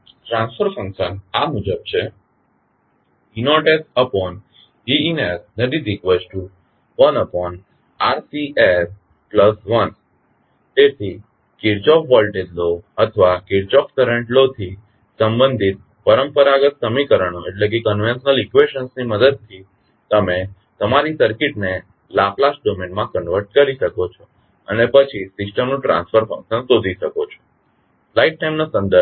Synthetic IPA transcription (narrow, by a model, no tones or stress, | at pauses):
ʈɾãnsfəɾfə̃ŋkʃənamud͡ʒəb̚t͡ɕʰe | inoʈesəpɔn | iinesnəd̪id̪ikʋəsʈu | ʋənəpɔn | aɾsieɾ | pləsʋən | t̪et̪ʰi | kiɾt͡ʃɔkʰʋəlʈed̪loət̪ʰəʋakiɾt͡ʃɔkt̪əɾə̃ɳʈlot̪ʰi | səmbə̃nd̪ʱit̪̚ | pəɾəmpəɾaɡət̪səmikəɾəɳ̃oʔeʈlek̬ekənʋenʃənəlikʋeʃənsniməd̪əd̪̚t̪ʰi | t̪əme | t̪əmaɾisəɾkiʈne | laplas̚ɖomenmãkənʋəɾʈ̚kəɾiʃəkot͡ʃʰo | ə̰nepət͡ʃʰisɪsʈəmnũʈɾã̰nsfəɾfə̃ŋʃənsod̪ʱiʃəkot͡ʃʰo̥ | flaiʈ̚ʈajmnasə̃nd̪əɾ